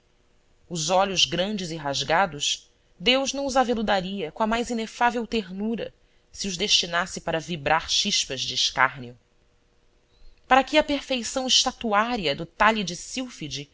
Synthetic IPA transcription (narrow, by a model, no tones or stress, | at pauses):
ʊzɔʎʊzɡɾɐ̃nd͡ʒɪziɦaʒɡad̪ʊs | d̪ewʒnɐ̃w̃ʊzavelud̪aɾiɐkõɐmajzinefavewt̪eɾnuɾɐ̰ | siʊʒd̪eʃt͡ʃinasɪpaɾɐvibɾʔaɾʃiʃpɐʒd͡ʒɪːʃka̰ɦniʊ | paɾɐkɪɐpeɾfejsɐ̃w̃ɪʃt̪at̪uaɾiɐd̪ʊt̪aʎid͡ʒɪsiwfid͡ʒi